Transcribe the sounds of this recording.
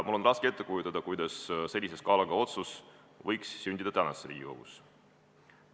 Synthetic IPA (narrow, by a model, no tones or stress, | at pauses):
mulːo̞nrɑskee̞t̪ːe̞kujut̪ːˑɑd̪̥ɑkujd̪̥ɑsse̞lʲːise̞skɑːlɑɡ̥ɑo̞t̪sus | vɤjksːynʲd̪id̪ɑt̪ænɑsːeɾḭːɡiko̞̰ɡ̥us